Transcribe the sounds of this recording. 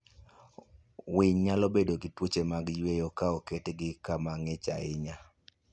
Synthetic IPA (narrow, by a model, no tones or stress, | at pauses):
wɪɲɲalɔbedoɡɪtwot͡ʃemaɡjwejokaɔketɡɪkamaŋɪt͡ʃa̰ɪɲa